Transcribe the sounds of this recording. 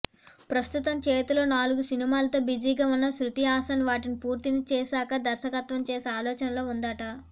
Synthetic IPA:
pɾɐst̪ut̪ɐmt͡ʃeːt̪ulo̞ːnaːluɡusinimaːlɐt̪o̞ːbid͡ʒiːɡɐʋɐnːɐsɾut̪ijaːsɐnʋaːʈinipuːɾt̪init͡ʃeːsaːkɐd̪ɐɾʃɐkɐt̪ʋɐmt͡ʃeːseaːlɔːt͡ʃɐnɐlo̞ːund̪aːʈɐ

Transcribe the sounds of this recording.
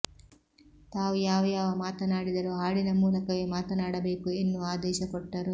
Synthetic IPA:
t̪aːʋujaːʋɐjaːʋɐmaːt̪ɐnaːɽid̪ɐɾuɦaːɽinɐmuːlɐkɐʋemaːt̪ɐnaːɽɐbeːkuenːuaːd̪ɛːʃɐkɔʈːɐɾu

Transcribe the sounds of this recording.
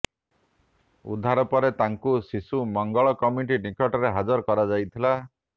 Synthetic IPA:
ṵd̪ʱaɾɔpɔɾet̪aŋkusisumɔŋɡɔɭɔkɔmiʈinikɔʈɔɾeɦad͡ʒɔɾkɔɾad͡ʒajt̪ʰila

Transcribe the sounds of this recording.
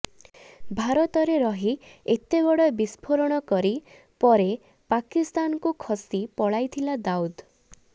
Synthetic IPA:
bʱaɾɔt̪ɔɾeɾɔɦiet̪ebɔɽɔbispʰoɾɔɽ̃ɔkɔɾi | pɔɾe | pakist̪ankukʰɔsipɔɭajt̪ʰilad̪aud̪

